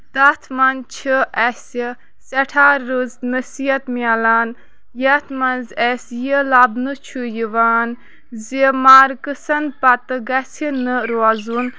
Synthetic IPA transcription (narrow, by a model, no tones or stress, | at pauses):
d̪ɐt̪ʰmɐnt͡ʃʰiʔɛsi | sɐʈʰaːɾːuznəsiɐt̪miɐlaːn | jɐt̪ʰmɐnzɛsjəlɐbnɨt͡ʃʰujiʋaːn | zimaːɾkɨsɐnpɐt̪ɨɡɐsinɨɾoazun